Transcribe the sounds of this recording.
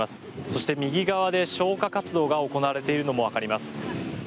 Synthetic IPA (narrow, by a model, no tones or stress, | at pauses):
asɨ̥so̞ɕi̥t̪e̞mʲiɡʲiɡaβ̞ad̪e̞ɕo̞ːkakat͡sɨd̪o̞ːɡao̞ko̞naβaɾe̞t̪e̞iɾɯ̟no̞mo̞β̞akaɾʲimasɨ̥